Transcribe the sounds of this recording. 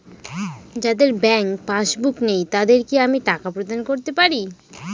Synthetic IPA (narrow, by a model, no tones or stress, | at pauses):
d͡ʑad̪eɾbɛŋkpaʃbuknejt̪ad̪eɾkiamiʈakapɾod̪ankoɾt̪epaɾi